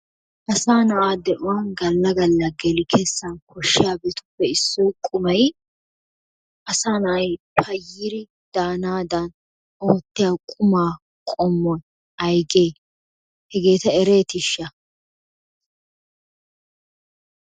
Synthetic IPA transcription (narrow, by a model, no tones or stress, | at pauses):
ʔɐsaːnɐʔaːd̪ɛʔʊwaːnɡɐlːɐɡɐlːɐɡɛlɪkʰɛsːɐnkʰɔʃːɪjaːbɛt̪ʊ̥pːɛɪsːɔjkʼʊmɐj | ʔɐsaːnɐʔɐjpʰɐjːɪɾɪ | d̪̥aːnaːd̪ɐn | oːt̪ːɪjaːkʼʊmaː | kʼɔmːɔj | ɐjɡe̞ː | hɛɡe̞ːt̪ɐɛɾeːt̪ɪʃːɐ